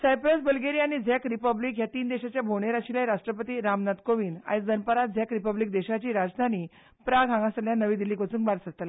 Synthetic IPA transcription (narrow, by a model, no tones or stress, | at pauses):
sajpɾəsbəlɡeɾiañid͡zʱɛkɾipəbliːkjat̪iːnd̪eɕat͡ɕjabʱoɳeɾaɕilajɾaʂʈɾəpət̪iːɾamnat̪koʋiːna̰jt͡sd͡zənpəɾat̪̚d͡zʱɛkɾipəbliːk̚d̪eɕat͡ɕiːɾad͡zd̪ʱaniː | pɾaɡʱãŋɡãsəljanəʋiːd̪iliːkot͡suːŋkbaɾsət̪l